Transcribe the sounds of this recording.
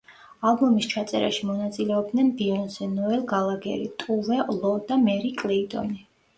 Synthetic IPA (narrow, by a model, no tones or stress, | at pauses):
alˠbɔmist͡ʃʰat̪sʼɛɾa̰ʃimɔnat̪sʼilɛɔb̚d̪nɛnbiɔnzɛnɔɛlˠɡalˠaɡɛ̰ɾḭt̪ʼuvɛlˠɔd̪amɛɾikʼliːt̪ʼɔ̰ni